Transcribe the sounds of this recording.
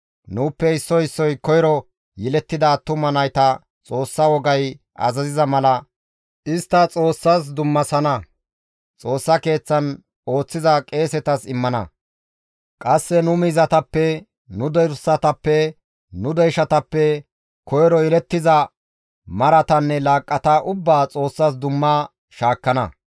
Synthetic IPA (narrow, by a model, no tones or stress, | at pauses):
nuːpːɛɪsːɔɪsːɔjkɔjɾɔ | jɛlɛt̪ːɪd̪ɐːt̪ːʊmɐnɐjt̪ɐ | t͡sʼo̞ːsːɐwɔɡɐj | ʔɐ̰zɐzɪzɐmɐlɐ | ʔɪst̪ːɐt͡sʼo̞ːsːas̬d̪ʊmːɐsɐnɐ | t͡sʼo̞ːsːɐke̞ːt͡sːɐn | o̞ːt͡sːɪzɐkʼe̞ːsɛt̪ɐsɪmːɐnɐ̰ | kʼɐsːɛnʊmiːzɐt̪ɐpːɛ | nʊd̪ɔjɾsɐt̪ɐpːɛ | nʊd̪ɔjʃɐt̪ɐpːɛ | kʰɔjɾɔɪɾɛt̪ːɪzɐ | mɐɾɐt̪ɐnːɛlaːkʼːɐt̪aʔʊbːaːt͡sʼo̞ːsːaːs̬d̪ʊmːaː | ʃaːkːɐnɐ̰